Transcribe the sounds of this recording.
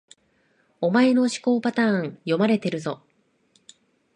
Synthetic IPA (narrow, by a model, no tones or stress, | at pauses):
o̞mae̞no̞ɕi̥ko̞ːpat̪ãːŋjo̞maɾe̞t̪e̞ɾɯ̟zo̞